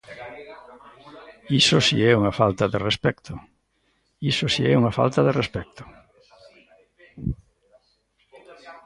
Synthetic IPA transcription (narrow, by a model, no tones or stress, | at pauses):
isʊsḭɛuŋafalt̪aðerespɛkt̪ʰʊ | isʊsiɛuŋafa̰lt̪aðerespɛk̚t̪ʊ̥